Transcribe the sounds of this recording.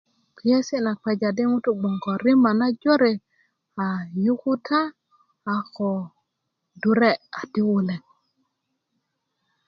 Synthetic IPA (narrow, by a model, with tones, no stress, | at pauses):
ki˨˦e˦si˦na˨k͡pɛ˨d͡ʒa˨di˦ŋu˦tu˦ɡ͡bɔ˨ŋɡɔ˨ɾi˦ma˨na˦d͡ʒo˦ɾe˨ | a˨ju˦ku˦tʰaː˦˨ | kɔ˨ | du˦ɾe˦a˨ti˦wu˨lɛ˨ŋ